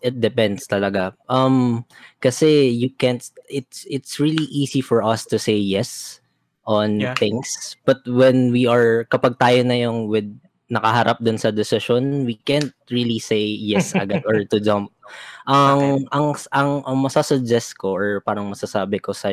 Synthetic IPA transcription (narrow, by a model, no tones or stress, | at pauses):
ʔɛt̪̚d̪ɛpɛnd̪st̪ɐlɐɡaʔɐmkɐsɛjukɛ̃nt̪ʔɪt̪sɪt̪sɹiliʔiːsifɔɹʔɐst̪ʊsejjɛs | ʔɔnt̪ɪ̃ŋsb̥ɐt̪̚wɛnwiɐɹkɐpaɡ̚t̪aːjonɐjoŋwɪd̪̚ | nɐkɐɦɐɾʔap̚d̪ʊnsɐd̪ɛsɪʃonwikɛ̃nt̪̚ɹilisejjɛsʔɐ̰ɡad̪ɔɹt̪ʊd͡ʒãmp̚ʔɐŋʔɐŋʔɐŋʔɐŋmɐsasʊd͡ʒɛst̪̚koʔɔɹpaːɾɐŋmɐsasaːbɪkosɐ